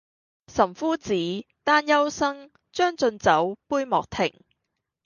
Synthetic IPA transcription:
sɐ˨˩mfuː˥t͡siː˨˥t̪aː˥njɐ˥wsɐ˥ŋ | t͡ʃœː˥ŋt͡sɵ˧nt͡sɐ˨˥wpuː˥jmɔ̰ː˨k̚t̪ʰɪ̰˨˩ŋ

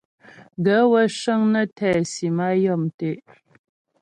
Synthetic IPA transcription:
ɡə˨˦wə˦ʃə˦ŋnə˦tʰɛ˨si˨ma˦jɔ˦˨mte˦˨ʔ

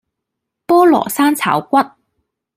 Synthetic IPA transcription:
pɔː˥lɔ̰ː˨˩saː˥nt͡sʰa̰ː˨˥wkʷɐ˥t̚

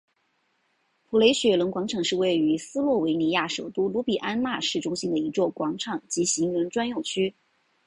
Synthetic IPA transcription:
pʰu˨˩le˧˥ɪɕɥɛ˧˥lə˧˥ŋkwɑ˧˥ŋʈ͡ʂʰɑ˨˧˥ŋʂɻ̩˥˧we˥˩ɪy˧˥sɹ̩˥lwɔ˥˩we˧˥ɪni˧˥ja˥˩ʂo˨˩ʊt̪u˥lu˧˥pi˨˩ʔa˥nma˥˧ʂɻ̩˥˩ʈ͡ʂʊ˥ŋɕi˥nd̪ə˨i˧˥t͡swɔ˥˩kwɑ˧˥ŋʈ͡ʂʰɑ˨˩˦ŋt͡ɕi˧˥ɕi˧˥ŋɻə˧˥nʈ͡ʂwa˥njo˥˩ʊt͡ɕʰy˥

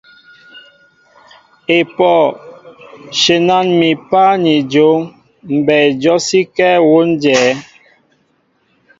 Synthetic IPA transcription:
e˨pɔ˦˨ | ʃe˨na˦˨nmi˨pa˦ni˨d͡ʒo˨˦ŋ | m̩˨bɛ˨d͡ʒɔ˦si˦kɛ˦wo˦n˦d͡ʒɛː˨˦

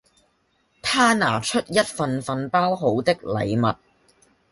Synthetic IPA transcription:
t̪ʰaː˥na̰ː˨˩t͡ʃʰɵ˥t̚jɐ˥t̚fɐ˧nfɐ˨npaː˥wɦo˨˥wt̪ɪ˥k̚lɐ̰˨˧jmɐ˨t̚

